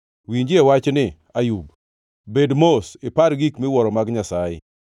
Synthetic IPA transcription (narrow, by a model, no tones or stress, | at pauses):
wiɲd͡ʒɪɛwat͡ʃnɪ | ajub | bedmosɪpaɾɡikmɪwɔɾɔmaɡɲasajɪ̰